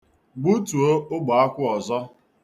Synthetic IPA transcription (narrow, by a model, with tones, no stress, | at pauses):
ɡ͡bu˦tu˨o˦ʊ˦ɡ͡ba˨a˦kʷʊ˦ɔ˨zɔ˦